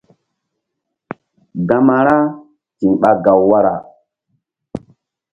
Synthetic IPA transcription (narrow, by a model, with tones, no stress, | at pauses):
ɡa˨ma˨ɾa˦ | ti˨nɓa˦ɡa˨wːa˦ɾa̰˨